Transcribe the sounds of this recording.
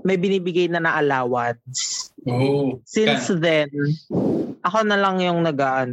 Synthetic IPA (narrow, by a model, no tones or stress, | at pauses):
mɐjbɪniːbɪɡajnɐnɐʔɐlaːwɐd̪s | sɪnnsðɛn | ʔɐkonɐlɐŋjʊŋnɐɡaʔɐn